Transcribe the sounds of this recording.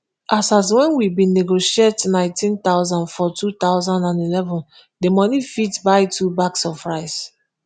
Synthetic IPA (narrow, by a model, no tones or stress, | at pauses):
ʔasas̬wɛ̃nwibĩneɡoʃietnãɪ̃ntʰĩntaʊzãndfɔtʰut̪aʊzãndãndilɛvɔ̃n | demɔnifitbaɪtʰubaksɔfɹaɪs